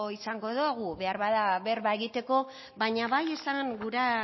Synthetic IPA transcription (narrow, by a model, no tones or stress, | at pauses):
isaŋɡo̞ðoɣuβe̞aɾβaðaβeɾβaeɣit̪e̞ko̞ | βaɲaβaje̞saŋɡuɾa